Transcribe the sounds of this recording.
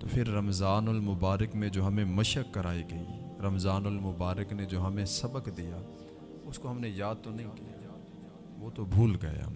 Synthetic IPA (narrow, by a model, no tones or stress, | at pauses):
t̪oːpʰɪɾːɐmzaːnʊlmʊbaːɾəkmẽd͡ʒoːɦɐmẽmɐʃəkːɐɾaːiɡɐḭɾɐmzaːnʊlmʊbaːɾəkned͡ʒoːɦɐmẽsɐbəkd̪ijaː | ʊskoɦɐmnejaːd̪̚t̪onɐɦĩkija̰ | ʋoːt̪obʱuːlɡɐja̰ː